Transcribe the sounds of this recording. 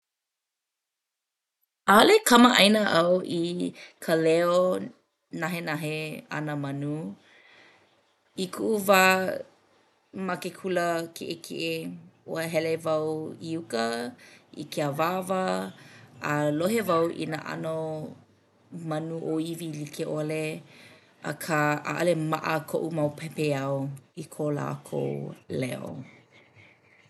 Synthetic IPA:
alekɐməʔɐjnəʔɐwʔikʰəlɛo | nɐɦenaɦeɐ̰nəmɐnu | ikʰuʔuva | mɐkekʰuləkʰḛʔekʰḛʔeoəɦɛlevɐwiukə | ḭkʰeəvavəː | loɦevɐwʔḭnə̰ʔɐ̰no | mɐnuʔoivilikʰeʔole | ɐ̰kʰəa̰ʔɐlemaʔəkʰoʔumɐwpʰɛpeɐwikʰola̰ːkʰo̰lɛ̰o̰

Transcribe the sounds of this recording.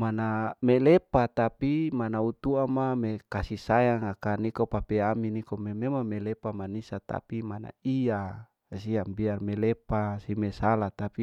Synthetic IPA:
manamelepat̪apimanaut̪uamamekasisajaŋakanikopapeaminikomememamelepamanisat̪a̰pimana̰ia | siambiarmelepasimesalat̪api

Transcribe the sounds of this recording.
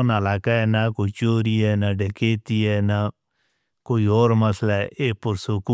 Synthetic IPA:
nəlaːkaɛːnakoːit͡ʃoːɾiɛːnaɖekeːt̪iɛːna | koːiːoːɾmɐslaɛʔeːpʊɾsʊku

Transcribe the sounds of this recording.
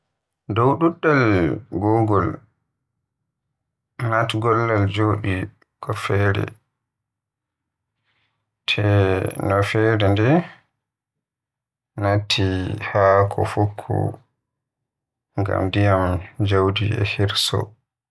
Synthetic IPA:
dɔwɗuɗːalɡɔːɡɔl | natɡɔlːald͡ʒoːɗi | kɔfɛːɾɛ̰ | tʰɛnɔfɛːɾɛndɛ | natʰːihakʰɔfokʰːɔ̰ | ŋɡa̰mdijamd͡ʒawdiɛ̰hiɾsɔ̰

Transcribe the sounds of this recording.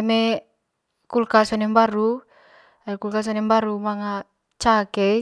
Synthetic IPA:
eme | kulkasɔnɛmbaɾu | akulkas̬ɔnɛmbaɾumaŋa | t͡ʃakɛ

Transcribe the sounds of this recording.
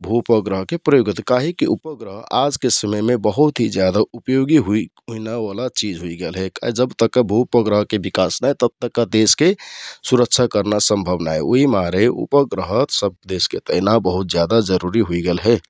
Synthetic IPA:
bʱupəɡɾəɦkepɾəjoɡət̪kaɦikiʔupəɡɾəɦad͡ʒkesəməjmebəɦut̪ɦid͡ʒjad̪aupjoɡiɦuiɦuinaʋalat͡ʃid͡ʒɦuiɡelɦɛka̰ɦid͡ʒəbt̪əkːəbʱupəɡɾəɦkebikasnajt̪əb̚t̪əkːad̪eskesuɾəkt͡ʃʰakəɾnasəmbʱəbnaɛo̰ɦimaɾeṵpəɡɾəɦət̪səb̚d̪esket̪əɪnabəɦut̪̚d͡ʒjad̪ad͡ʒəɾuɾiɦuiɡelɦɛ

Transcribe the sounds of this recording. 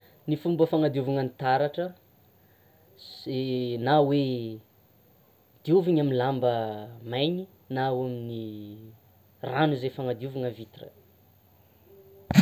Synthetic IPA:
nifumbəfaŋad̪iuvuŋənit̪aɾaʈ͡ʂə | zenawe | d̪̥iuviɲaminlambəmajɲi | nawamini | ranuzefaŋad̪iuvuŋəvit̪ira̰

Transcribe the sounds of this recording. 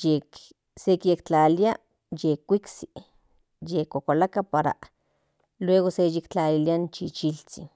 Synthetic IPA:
jek | sekjekt͡ɬalia | jekːʷiksi̥ | jekokalakapaɾa̰ | lweːɣosejekt͡ɬaliliant͡ʃit͡ʃilt͡sḭ

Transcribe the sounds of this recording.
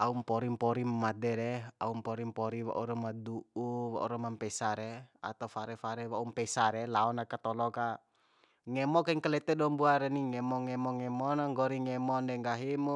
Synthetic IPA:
aumpɔɾimpɔɾimmadɛɾɛa̰umpɔɾimpɔɾiwa̰ʔuɾɔmaduuwa̰ʔṵɾɔmampɛsaɾɛa̰t̪afaɾɛfaɾɛwaumpɛsaɾɛlaɔnakat̪ɔlɔka | ŋɛmɔkaiŋkalɛt̪ɛdɔmbuaɾɛniŋɛmɔŋɛmɔŋɛmɔnaŋɡɔɾiŋɛmɔndɛŋɡaɦimu

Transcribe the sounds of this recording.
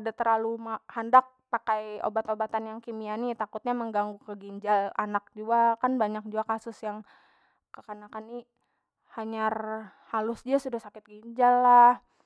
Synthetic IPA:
adat̪ərlalumahandak̚pakajo̰bat̪obat̪anjaŋkimianit̪akʊt̪̚ɲaməŋɡaŋɡukəɡiɲd͡ʒalanak̚d͡ʒuakanbaɲak̚d͡ʒuakasʊsjaŋ | kəkanakani | haɲarhalʊsd͡ʒiasudahsakɪt̪̚ɡiɲd͡ʒalːah

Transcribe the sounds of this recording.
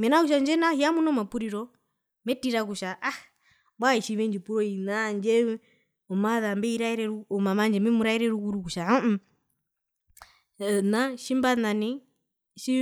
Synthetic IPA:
mɛnakuʃ̬and͡ʒɛnahijamunɔmapuɾiɾɔ | mɛtiɾakuʃaʔa | bwaiʃiβɛnd͡ʒipuɾɔinand͡ʒɛ | ɔmaðambɛiɾaiɾɛɾuɔmamand͡ʒɛmɛmuɾaiɾɛɾukuɾukuʃaɔ | naʃimbanani | ʃi

